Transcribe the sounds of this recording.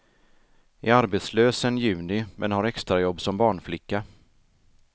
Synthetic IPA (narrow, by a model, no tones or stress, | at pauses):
ɪaɾbet̪sløːsənjʉ̟ːnɪmʔɛnhaɾɛkst̪ɾajɔbːsɔmbɑːɳflɪkːa